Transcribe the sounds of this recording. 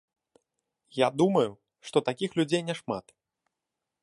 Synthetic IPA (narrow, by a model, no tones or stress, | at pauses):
jad̪umɐju | ʂt̪ɔt̪akʲixlʲud͡zʲejnʲɛʂma̰t̪